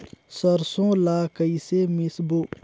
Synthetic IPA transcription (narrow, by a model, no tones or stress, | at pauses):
səɾsõːlaːkəisemɪsbo